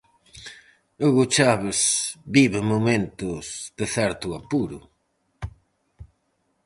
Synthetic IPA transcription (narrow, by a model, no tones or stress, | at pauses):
ʊɣot͡ʃaβesbiβɪmomẽnt̪ʊsðɪθɛɾt̪ʊapuɾʊ̰